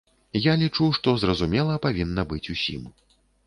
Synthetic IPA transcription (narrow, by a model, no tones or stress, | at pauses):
jalʲit͡ʂuʂt̪ɔzrɐzumʲɛlˠɐpavʲinːɐbɨt͡sʲusʲḭm